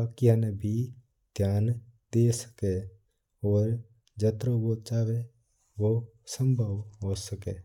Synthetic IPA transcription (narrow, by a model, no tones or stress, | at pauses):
akianebʱi | d̪ʱjaːnd̪esə̥ke | ɔːɾ | d͡ʒət̪ɾoʋot͡ʃaːʋe | ʋo | sə̃mbʱəʋɦosəke